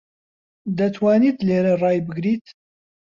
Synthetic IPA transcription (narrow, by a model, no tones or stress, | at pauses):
d̪ɐt̪ʰwaːniːt̪leːɾɐrɑːjbɨɡɾiːt̪